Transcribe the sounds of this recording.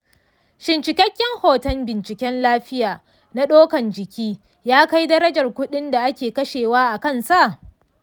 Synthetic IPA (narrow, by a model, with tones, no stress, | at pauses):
ʃɪ˨nt͡ʃɪ˨kʲɐ˦kʲːɪ˦ŋhoː˨tɐ˦mbɪ˨nt͡ʃɪ˨kʲɛ˦nlaː˦ɸɪ˦jaː˨ | na˦ɗoː˦kɐ˨nd͡ʒɪ˨kʲiː˦ | jaː˦ka˦jdɐ˦ɾɐ˦d͡ʒɐ˨rkʷʊ˦ɗɪ˦nda˨ʔa˦kʲeː˨kɐ˦ʃeː˨waː˦ʔa˨kɐ˦nsa˦˨ʔ